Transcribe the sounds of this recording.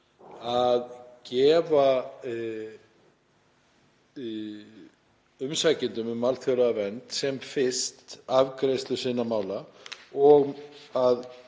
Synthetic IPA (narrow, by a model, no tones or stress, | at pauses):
aðcɛːva | ʏmsaːcɪnt̪ʏmʏmːalθjɔwɾaavɛnt̪sɛmfɪ̥st̪avkɾejst̪lʏsɪnːamaːwla | ɔɣað